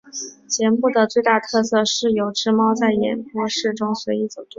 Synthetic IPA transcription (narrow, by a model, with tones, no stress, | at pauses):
t͡ɕʰjɛ˧˥npu˥˩d̪ə˩t͡swe˥˧ɪt̪a˥˧˩t̪ʰɤ˥˧sɤ˥˧ʂɻ̩˥˩jo˨˩ʊʈ͡ʂɻ̩˥mɑ˥ʊt͡sa˥˩ɪjɛ̰˨˩npwɔ˥ʂɻ̩˥˩ʈ͡ʂʊ˥ŋswe˧˥ɪi˧˥t͡so˨˩ʊt̪u˥